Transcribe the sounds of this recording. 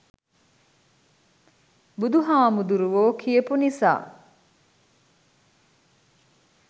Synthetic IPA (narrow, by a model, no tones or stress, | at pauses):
bud̪uɦaːmud̪uɾuʋoːkʰiepunisa̰ː